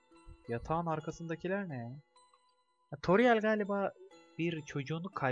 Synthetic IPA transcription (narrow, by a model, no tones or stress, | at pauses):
jat̪ʰaːnaɾkʰasɯnd̪acʰilʲæɾnɛ | t̪ʰoɾijalʲɡaːlʲibaːbiɾt͡ʃʰo̞d͡ʒuːnukʰa